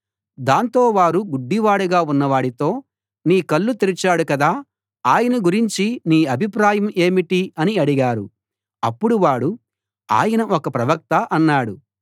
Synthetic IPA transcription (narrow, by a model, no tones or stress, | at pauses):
d̪aːnt̪o̞ːʋaːɾuɡuɖːiʋaːɽuɡaːunːɐʋaːɽit̪o̞ː | niːkɐlːut̪iɾit͡ʃaːɽukɐd̪aː | aːjɐnɐɡuɾiɲt͡ʃiniːɐbʱipɾaːjɐme̞ːmiʈiɐniɐɽiɡaːɾṵ | ɐpːuɽuʋaːɽu | a̰ːjɐnɐʔɔkɐpɾɐʋɐk̚t̪ɐʔɐnːaːɽu